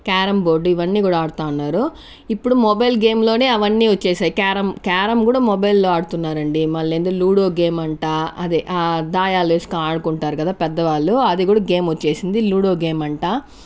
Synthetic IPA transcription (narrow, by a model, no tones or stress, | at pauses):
kaːɾɐmbo̞ːɾɖiʋɐnːiːkuːɽaaːɽut̪aːunːaːɾu | ipːuɽumɔbɐjlɡe̞ːmlo̞ːne̞ːɐʋɐnːiːʋɐt͡ʃːeːsaːjikaːɾɐmkaːɾɐmkuːɽaːmɔbɐjlːoːaːɽut̪unːaːɾɐɳɖimɐɭːeːnd̪oluːɽo̞ːɡe̞ːmɐɳʈaːɐd̪eʔad̪aːjaːlʋeːsi̥kaːɽukuɳʈaːɾukɐd̪aːpɛd̪ːɐʋaːɭːuɐd̪iɡuːɽaɡe̞ːmot͡ʃːe̞ːsind̪iluːɽo̞ːɡe̞ːmɐɳʈaː